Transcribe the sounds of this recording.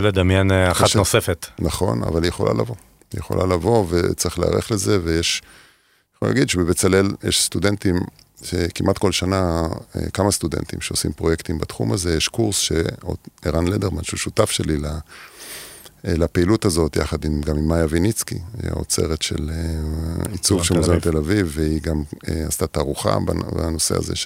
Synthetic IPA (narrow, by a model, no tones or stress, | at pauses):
led̪amjenaχatnosefet̪naχo̞̰na̰valijeχo̞lʔa̰la̰vo̞ | ijeχo̞̰lʔa̰lavo̞vet͡siχlea̰ʁeχle̞ze̞vejeʃ | χo̰la̰ɡid̪ʃebebet͡sale̞ljeʃst̪udentim | ʃekimʔat̪ko̞lʃanaḛkamast̪udḛnt̪ḭmʃeosḭmpʁo̞jekt̪imbat̪χṵmaze̞jeʃkuʁsʃḛoeʁanledeʁmanʃuʃutafʃelila | lapeilutazo̞t̪ja̰χadimɡamimːajavinit͡skḭja̰o̰t͡se̞̰ʁetʃe̞̰leit͡suvʃemozant̪elavivːeiɡameast̪at̪aʁuχa̰ba̰ba̰no̞sea̰zḛʃ